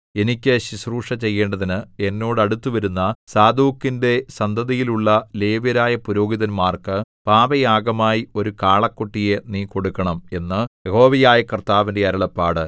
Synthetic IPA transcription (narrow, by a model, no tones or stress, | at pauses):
e̞nikʲːɨɕisruːʂɐt͡ɕe̞jːe̞ːɳɖɐðinɨe̞nːo̞ːɽɐɽut̪ːuʋɐɾunːɐsaːd̪uːkːinde̞sɐnd̪ʱɐðijiluɭːɐle̞ːʋɐɾaːjɐpuɾo̞ːɡiðɐnmaːrkɨpaːbɐjaːɡɐmaːjio̞ɾukaːɭɐkːuʈːije̞niːko̞ɽukːɐɳɐme̞nːɨjeho̞ːʋɐjaːjɐkrt̪aːʋindeɐɾɐɭɐpːaːɽɨ